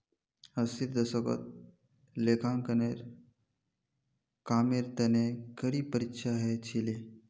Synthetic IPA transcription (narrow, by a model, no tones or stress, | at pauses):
əsiɾd̪əsəko̰t̪̚ | lekʰãŋkəneɾ | kaːmeɾt̪ənekəɽiːpəɾikʃaɦet͡ʃʰile